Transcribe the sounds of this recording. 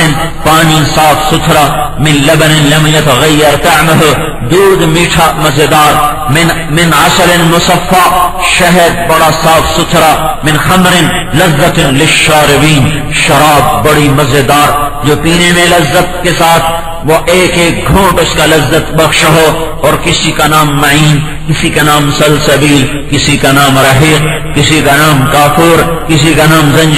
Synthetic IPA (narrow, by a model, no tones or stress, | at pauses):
ɪn | paːnisaːfʰsʊt̪ʰɾaːmɪnlɐbnɪlɐmjɐt̪ɐɣɐjːɐɾt̪ɐʕməɦo | d̪uːd̪miːʈʰamɐzed̪aːɾ | mɪ | mɪnɐsɐlɪnmʊsɐfːaːʃɐɦɛɾ̚bɐɽasaːfʰsʊt̪ʰɾamɪ̃nxɐmɾɪn | lɐzːɐt̪lɪʃaːɾɪbiːn | ʃɐɾaːb̚ːɐɽimɐzed̪aːɾ | d͡ʒoːpiːnemẽlɐzːət̪̚kesaːt̪ʰ | ʋoʔeːkeːk̚ɡʱũːʈʊskalɐzːət̪bɐxʃɦoː | ɔːɾkɪsikanaːmːɐʕiːn | kɪsikanaːmsɐlsɐbiːl | kɪsikanaːmɾɐɦiːq̚ | kɪsikanaːmkaːfuːɾ | kɪs̬ikanaːmzɐ̃nd͡ʒ